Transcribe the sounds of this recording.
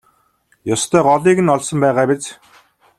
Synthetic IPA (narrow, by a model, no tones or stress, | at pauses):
jʊst̪ʰœːɢɔɮiːɣɘ̆nɔɮsɞ̆mpæːʁaːpet͡s